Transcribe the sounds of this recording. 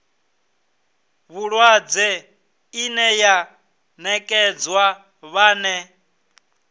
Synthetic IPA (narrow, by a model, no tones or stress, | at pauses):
βuɺwad͡zɛ | inɛja | nɛkʼɛd͡zwa | βaːnɛ